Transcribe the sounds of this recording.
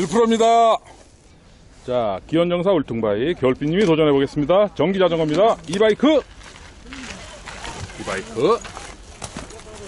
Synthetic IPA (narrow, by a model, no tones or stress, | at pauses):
iɭpʰuɾʌmɲida | t͡ɕakiʌnd͡ʑʌŋs̬ʰauɭtʰuŋbaikjʌɭp͈ʰiɲimitod͡ʑʌnɦeboɡe̞s͈ɯmɲidat͡ɕʌŋɡid͡ʑad͡ʑʌŋɦamɲidaibaikʰɯ | ibaikʰɯ